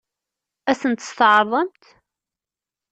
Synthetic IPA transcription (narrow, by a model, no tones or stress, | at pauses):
æsənt̪ə̥st̪ʕəɾˤðˤɑmt̪